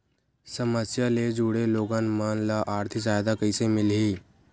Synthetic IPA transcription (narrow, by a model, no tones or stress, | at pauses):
səməsjaled͡ʒuːɽeloːɡaːnmanlaʔaːɾt̪ʰisaːjd̪akəisemɪlɦiː